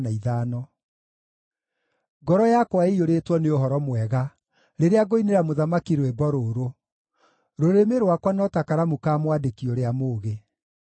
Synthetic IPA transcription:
naiðaːnɔ | ɡɔɾɔjakwaeoɾetwɔneoɦɔɾɔmwɛɣa | ɾeɾeaɡoineɾamoðamakiɾwɛbɔɾoːɾo | ɾoɾemeɾwakwanɔtakaɾamukaːmwadekioɾeamoːɣe

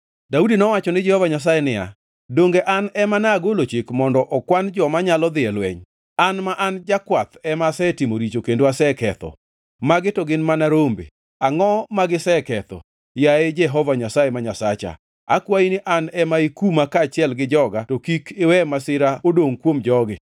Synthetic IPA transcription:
daudinɔwat͡ʃɔnɪd͡ʒɛhɔvaɲas̬ajɛnɪa̰ | doŋɡeʔanɛmanaɡolot͡ʃikmɔndɔʔɔkwand͡ʒɔmaɲalɔd̪ɪɛlwɛ̰ɲ | anmaʔand͡ʒakwat̪ɛmasɛtimoɾit͡ʃokendoasɛkɛt̪ɔ̰ | maɡɪtɔɡɪnmanaɾombḛ | aŋɔmaɡɪsɛkɛt̪ɔ̰ | jaed͡ʒɛɦɔvaɲasajemaɲasat͡ʃa̰ | a̰kwainɪʔanɛmaikumakat͡ʃɪɛlɡɪd͡ʒɔɡatokikʰɪwɛmasɪɾaodoŋkwomd͡ʒɔɡɪ̰

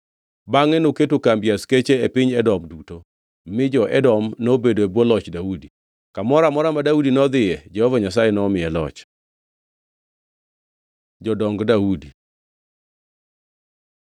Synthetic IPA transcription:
baŋɛnoketokambjasket͡ʃeepɪɲɛdɔmduto | mɪd͡ʒɔʔɛdɔmnobedoebwɔlɔt͡ʃdaudi | kamɔɾamɔɾamadaudinɔd̪ɪjɛd͡ʒɛhɔvaɲas̬ajɛnɔmɪjɛlɔ̰t͡ʃ | d͡ʒɔdɔŋɡdaudi

